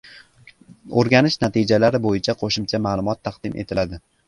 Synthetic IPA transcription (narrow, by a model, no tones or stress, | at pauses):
oɾɡʲanɪʃnat̪ʰɪd͡ʒalaɾɪbojɪt͡ʃʰaqʰoʃɪmt͡ʃʰamaːlˠʊmɒt̪ʰːɑqd̪̥ɪmʔe̞̰t̪ʰɪlad̪ɪ